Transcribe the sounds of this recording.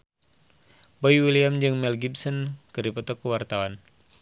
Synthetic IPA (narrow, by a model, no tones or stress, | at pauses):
bɔjwiliamd͡ʒɨŋmɛlɡibsɔnkɨɾipɔt̪ɔkəwart̪awan